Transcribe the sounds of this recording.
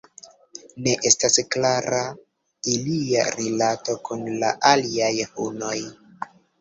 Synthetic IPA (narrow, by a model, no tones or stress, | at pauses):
ne̞ʔe̞stasklaɾa | ilia̰ɾilato̞kunla̰ʔaliajhuno̞j